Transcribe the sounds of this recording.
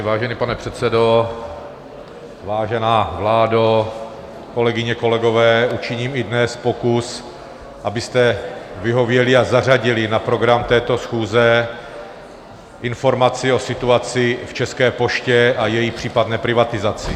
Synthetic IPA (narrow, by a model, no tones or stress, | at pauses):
vaːʒɛnipanɛpr̥ɛt̪sɛdo̞ | vaːʒɛnaːvlaːdo | ko̞lɛɡɪɲɛko̞lɛɡo̞vɛːʔut͡ʃɪɲiːmɪdnɛspo̞kus | ʔabɪst̪ɛvɪɦo̞vjɛlɪazar̝aɟɪlɪnapɾo̞ɡɾamt̪ɛːt̪o̞sxuːzɛ | ʔɪnfo̞ɾmat͡sɪo̞sɪt̪uat͡sɪft͡ʃɛskɛːpo̞ʃcɛajɛjipr̥iːpad̪nɛːpɾɪvat̪ɪzat͡sɪ